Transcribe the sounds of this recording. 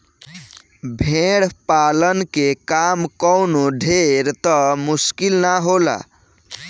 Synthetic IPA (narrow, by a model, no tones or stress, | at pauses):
bʱeɽpalənkekamkɔwnoɖʱeɾt̪ɔmuskilnaɦola̰